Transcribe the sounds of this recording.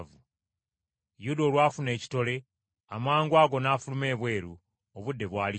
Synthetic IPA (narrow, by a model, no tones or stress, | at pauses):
vu | judolwaːfune̞ːci̥to̞le̞ | amaːŋɡwaːɡo̞naːfulume̞ːβwe̞ːɾu | oβudːe̞βwaːli